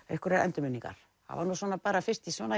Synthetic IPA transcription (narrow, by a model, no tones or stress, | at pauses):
ḛhkʏɾɛɛ̰nt̪ʏmɪnːiŋka̰ɾ̥ | a̰vaɾnuːsvɔːnapaːɾafɪr̥t̪isvɔːna